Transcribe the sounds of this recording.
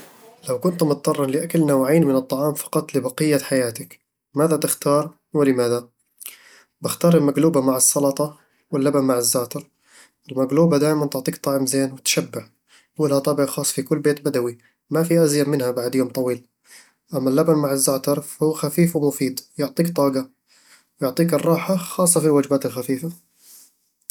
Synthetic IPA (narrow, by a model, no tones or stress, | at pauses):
lawkʊnt̪mʊt̪̚t̪ːˤɑrˤːɑnlɪʔakalnawʕiːnmɪnɨt̪ˤːɑʕɑːmfɑ̥qɑt̪ˤlɪbɑqɨjːaħajaːt̪ɪk | maːðat̪ɪxt̪ɑːɾˤ | wɪlɪmaːða | bɪxt̪ɑːɾˤɪlmaɡluːbamaʕɪsˤːɑlɑt̪ˤɑ | wɪlːabanmaʕɪzːaːt̪ɑɾˤ | ɪlmaɡluːbad̪aːjmant̪ʊʕt̪ˤiːkt̪ˤɑʕɪmzeːnwɪt̪ʃabːɪʕ | ɪlhat̪ˤɑːbɪʕxɑːsˤfikʊlːbeːt̪bad̪awi | mafiʔazjamɪnhabaʕd̪joːmt̪ˤɑwiːl | ʔamːalːabanmaʕɪzːaːt̪ɑɾˤfahuːxafiːfwɪmʊfiːd̪jʊʕt̪ˤiːkt̪ˤɑːɡa | wjʊʕt̪ˤiːkɨrˤːɑːħaxɑːsˤːɑfilwaːd͡ʒɪbaːt̪ɪlxafiːfa